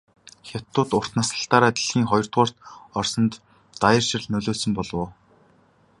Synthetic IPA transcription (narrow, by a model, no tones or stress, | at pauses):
xʲat̪ːʊːt̪ʊr̥t̪nasə̆ɬt̪aːɾaːt̪i̥ɮxiːŋχɔjɞ̆r̥t̪ʁʊːr̥t̪ɔrsɞ̆nt̪ː | ajə̆rʃɪ̆rɮnɵɮoːɮsɵ̆mpɔɮwʊː